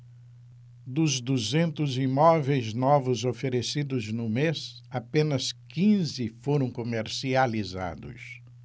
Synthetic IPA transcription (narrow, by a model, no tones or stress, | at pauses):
d̪ʊzd̪uzẽnt̪ʊzimɔvejznɔvʊzofeɾesid̪ʊznʊmesapẽnɐskĩzɪfoɾɐ̃w̃komeɾsializa̰d̪ʊ̰s